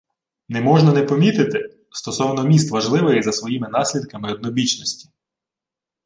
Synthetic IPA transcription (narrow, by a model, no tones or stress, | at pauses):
nɛmɔʒnɐnɛpɔmʲit̪ɪt̪ɪ | st̪ɔsɔwnɔmʲist̪ʋɐʒlˠɪʋɪjzɐsʋɔjimɪnɑsʲlʲid̪kɐmɪɔd̪̚nɔbʲit͡ʃnɔsʲtʲi̥